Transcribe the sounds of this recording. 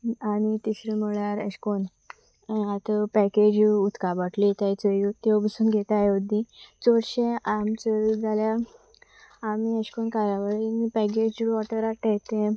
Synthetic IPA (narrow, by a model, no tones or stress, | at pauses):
anit̪iɕɾim̤əɭaɾəɕkon | at̪əpɛked͡ʑut̪kabəʈʰlit̪ajt͡səjot̪ebisuːnɡʱet̪ajod̪ĩt͡sɔɽɕeʔamt͡səɾud͡zalja | miəɕkonkaɾaʋaɾnipɛk̬ed͡ʑʋɔʈəɾaʈet̪ẽ